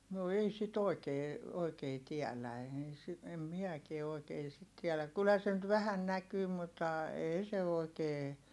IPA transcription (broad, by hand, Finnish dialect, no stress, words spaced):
no ei sit oˑi̯keː oikeː tiælæ eːi si em miækie oi̯keː sit tiɛlæk kylhæ se nyt ʋæhæn nækyː mutːɑˑ eˑi se oˑi̯keː